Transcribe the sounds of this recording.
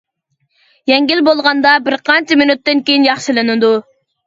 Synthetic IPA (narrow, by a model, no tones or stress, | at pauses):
jɛŋɡʲilbolˠʁɑnd̪ɑbɪɾqʰɑnt͡ʃʰimɪnut̪ːɪnkʲejinjɑχʃɨlˠɨnɨd̪u